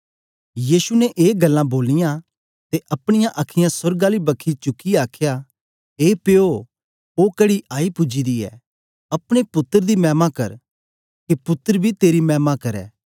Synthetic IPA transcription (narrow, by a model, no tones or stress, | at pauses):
jiːsunɛʔeːɡɐlːãboːlːɪjã | t̪eʔɐpɽ̃ɪjãʔɐkʰɪjãsʊɾɡãlibɐkʰːit͡ʃʊkːiaːkʰja | eːpeo | oːkɐɽiʔaːipʊd͡ʒid̪iɛ̰ | ɐpɽ̃epʊt̪ːəɾd̪imɛːmakɐɾ | kepʊt̪ːəɾbʱit̪eːɾimɛːmakɐɾɛ̰ː